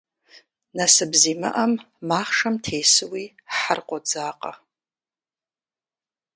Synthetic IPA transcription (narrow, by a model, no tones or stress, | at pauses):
nasɨbzimɨ̰ʔam | maχʂamtʰejsɨwi | ħarqʷʼod͡zaːqʼa̰